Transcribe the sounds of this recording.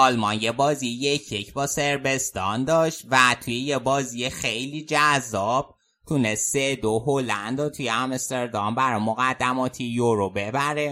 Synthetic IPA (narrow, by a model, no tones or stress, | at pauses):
ɒlmɒnjebɒːziejecʰjecʰbɒːse̞ɾbe̞st̪ɒnd̪ɒːʃt̪væt̪ʰujejebɒːzijexejliːd͡ʒæzːɒːb̥̚ | t̪ʰunest̪sed̪oɦolænd̪ɾot̪ʰujeæmst̪eɾd̪ɒmbæɾɒjmoɣæd̪ːæmɒːt̪ʰijoɾobebæɾe